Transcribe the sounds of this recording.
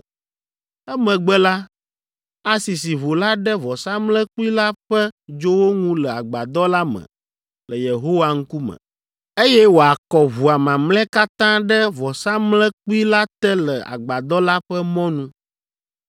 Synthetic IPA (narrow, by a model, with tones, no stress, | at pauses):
ɛ˦mɛ̃˨ɡ͡bɛ˦la˦ | a˦si˨s̬i˨βo˨la˦ɖɛ˦vɔ˨sa˦mlɛ̃˦ku˦i˦la˦ɸɛ˦d͡ʒo˦wo˦ŋũ˦lɛ˨a˨ɡ͡ba˨d̪ɔ˦la˦mə̰̃˨ | lə˨je˨ɦo˦wa˦ŋ̩˦ku˦mɛ̰̃˨ | e˦jɛ˦wo˨a˨kɔ˨βu˨a˨mã˨mlɛ̃˦ka˦t̪ã˦ɖɛ˦vɔ˨sa˦mlɛ̃˦ku˦i˦la˦t̪ɛ˦lɛ˨a̰˨ɡ͡ba˨d̪ɔ˦la˦ɸɛ˦mɔ̃˦nũ˦